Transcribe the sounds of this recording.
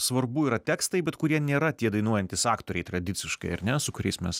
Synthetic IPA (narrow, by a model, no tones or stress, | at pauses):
sʋɐrbuiːɾɐt̪ʲæːkst̪ɐɪbʲɛt̪kʊɾʲiɛnʲeːɾɐt̪ʲiɛd̪ɐɪnuɔjɛnʲt̪ʲɪsɑːkt̪oːɾʲɛɪt̪ɾɐd̪ʲɪt̪sʲɪʃkɐɪɐɾnʲɛsʊkʊɾʲɛ̰ɪsmʲɛs